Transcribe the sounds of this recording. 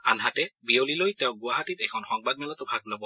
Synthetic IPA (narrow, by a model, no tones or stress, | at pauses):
anɦatɛbiolilojtɛʊ̃ɡʊaɦatitɛkʰɔnxɔŋbad̚mɛlatʊbʱaɡlɔbɔ